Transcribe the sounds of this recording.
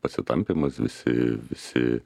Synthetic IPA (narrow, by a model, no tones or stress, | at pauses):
pɐsʲɪt̪ɐmʲpʲɪmɐsʋʲɪ̰sʲɪ̰ʋʲɪsʲɪ̰